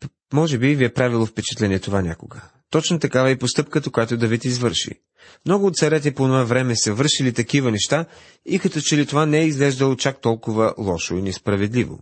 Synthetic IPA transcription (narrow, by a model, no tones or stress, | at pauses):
mɔʒɛbiviɛpɾavilˠofpɛt͡ʃɛ̥t̪lɛniɛt̪ovanʲakoɡə | t̪ɔt͡ʃnot̪ɐkavəɛpost̪ɤpkət̪əkojat̪od̪ɐvit̪izvɤɾʃḭ | mnɔɡʊːt̪t̪sɐɾɛt̪̬ɛponovavɾɛmɛsɐvɤɾʃilit̪ɐkivənɛʃt̪a | ikɐt̪ɔt͡ʃɛlit̪ovanɛɛizɡlɛʒd̪əlˠot͡ʃak̚t̪ɔlˠkʊvəlˠɔʃoinɛspɾɐvɛd̪livo̰